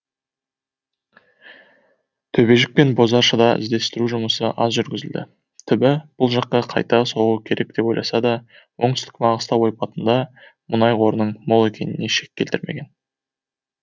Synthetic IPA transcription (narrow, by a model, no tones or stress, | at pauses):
t̪ʰɵbe̞ʒɪk̚pe̞nbo̞zɑɾʃəd̪ɑɪ̰zd̪e̞st̪ɪɾuʒʊməsəʔɑzʒʏɾɡʲɪzɪld̪ɪ̰ | t̪ʰɪbɪb̥ʊlˠʒɑq̚ːɑqʰɑ̰jt̪ɑso̞ʁukʲʰe̞ɾʔe̞k̚d̪e̞po̞jlˠɑ̰sɑd̪ɑ | wo̞ŋɴt̪st̪ɪ̥kmɑʁəst̪ɑwo̞jpɑt̪ənd̪ɑ | mʔʊnɑjqʰo̞ɾənəɴmolˠe̞kʲe̞nɪne̞ʃe̞kʲːe̞lt̪ɪɾme̞̰ɡʲe̞n